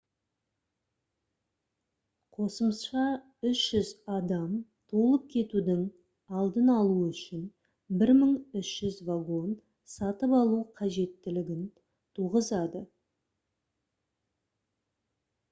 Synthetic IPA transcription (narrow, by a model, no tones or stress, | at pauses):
qʰo̞səməsʃɑ | ʏʃʒ̥ʏzɑd̪ɑmt̪ʰolˠəp̚kʲʰe̞t̪ud̪ɪŋ | ɑlˠd̪ənɑlˠuʏʃɪn | bɪɾməɴʏʃʒ̥ʏzvaɡo̞n | sɑt̪əpɑlˠuqʰɑʒe̞t̪ːɪlɪɡʲɪn | t̪ʰuʁəzɑd̪ə